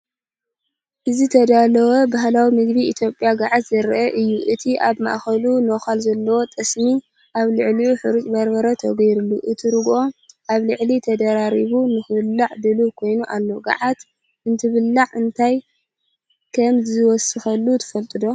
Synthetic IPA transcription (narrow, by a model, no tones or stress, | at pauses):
ʔɨzit̪ʰɐd̪alɐwɐbaɦlawimɨɡβiit̪ʰjo̞pʼːjaɡaʕat̪zɐɾʔɐʔɨjːuʔɨt̪ʰiʔaβma̰ʔxɐlunoxalzɐlːɐwo̞t̪ʼɐsmi | ʔaβlɨʕliuħɨɾut̪ʼbɐɾbɐɾɐt̪ʰɐɡɐjɾulːuʔɨt̪ʰiɾɨɡʔo̞ʔaβlɨʕlit̪ʰɐd̪ɐɾaɾiβunɨxɨβɨlːaʕd̪ɨlukʰo̞jnuʔalːo̞ɡa̰ʕat̪ | ʔɨnt̪ʰɨβɨlːaʕɨnt̪ʰaj | kʰɐmzɨwɔsɨxɐlːut̪ʰɨ̥fɐlt̪ʼɨd̪o̞